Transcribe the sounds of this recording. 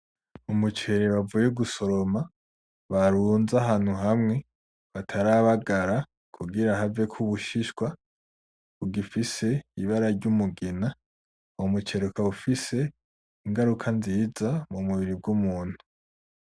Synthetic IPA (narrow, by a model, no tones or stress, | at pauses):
umut͡ʃe̞ɾeβavujeɡuso̞ɾo̞ma | βaɾuːnzaɦaːn̥huɦamŋe̞ | βatʰaɾaβaɡaɾa | kʰuɡiɾaɦave̞kʰuβuʃiʃɡwa | uɡifise̞iβaɾaɾɟumuɡina | omut͡ʃe̞ɾukaufise̞ | iŋɡaɾukʰanziːzamumuβiɾib̚ɡumuːn̥hu